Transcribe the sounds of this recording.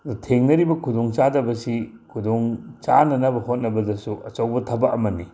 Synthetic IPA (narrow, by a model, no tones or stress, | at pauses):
tʰeŋnɐɾibɐkʰudoŋt͡ʃadɐbɐsi | kʰudoŋt͡ʃanɐnɐbɐhot̚nɐbɐdɐsuʔɐt͡ʃowbɐtʰɐbɐʔɐmɐnːi